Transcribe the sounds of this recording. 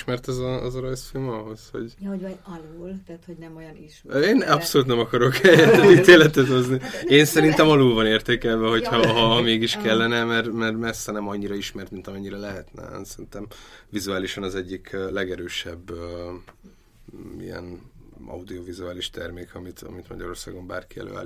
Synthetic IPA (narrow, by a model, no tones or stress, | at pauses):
ʃmɛrt̪ɛzɒzɒɾɒjsfilmɒɦo̞sho̞̰ɟoɒluːlt̪ɛt̪honɛmoj | eːnɒpso̞luːt̪nɛmɒkɒɾo̞kɛjɛt̪ːɛt̪it̪eːlɛt̪ɛt̪hoznieːnsɛɾint̪ɛmɒlulvɒneːrt̪eːkɛlvɛɦo̞cʰhɒɦɒɦmeːɡiʃkɛlːɛnɛmɛrmɛrmɛsɛnɛmɒɲːiɾɒiʃmɛrt̪mint̪ɒmɛɲːiɾɛlɛɦɛt̪nɛ̰sɛɾint̪ɛmvizuaːliʃɒnɒzɛɟːikʰːlɛɡɛɾøːʃɛbːø | ḭjɛ̰nɒ̰ud̪iovizuaːliʃt̪ɛrmeːkɒmit̪ɒ̰mit̪mɒ̰ɟɒɾo̞̰rsa̰ːɡo̞mba̰ːrkiɛ̰lø̰ːa̰ːli